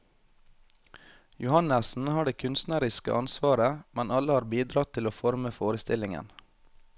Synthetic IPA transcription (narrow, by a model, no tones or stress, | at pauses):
jʊhɑnəsn̩hɑːɖeːkʰʉnst̪næɾɪskə̰ʔɑnsʋɑːɾəmɛnɑləhɑːɾbiːd̪ɾɑt̪ʰɪloːfɔɾməfoːɾəst̪ɪlɪŋə̰n